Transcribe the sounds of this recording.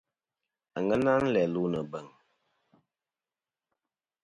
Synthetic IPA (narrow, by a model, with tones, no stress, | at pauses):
a˨ŋə˦na˦n̩˦lɛ˨lu˦nə˨bə˨ŋ